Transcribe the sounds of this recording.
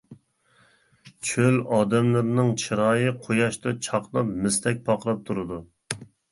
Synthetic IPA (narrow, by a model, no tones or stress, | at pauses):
t͡ʃʰølɑːd̪ɛmlˠɨɾnɨŋt͡ʃʰiɾɑːjɨqʰojɑʃt̪ɑt͡ʃʰɑqlˠɑpmɪst̪ʰɛk̚ʲpʰɑqlˠɑp̚t̪ʰuɾɨd̪u